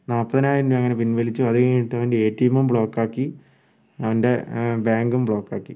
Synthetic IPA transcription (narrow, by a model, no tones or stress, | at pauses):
naːpːɐðɐnaːjinduɐŋːɐne̞pinʋɐlit͡ɕːuɐðɨkiʈːɨɐʋɐndeeːtːijɐmumbɭo̞ːkːaːkːi | ɐʋɐnde̞bjaːŋɡumbɭo̞ːkːaːkːḭ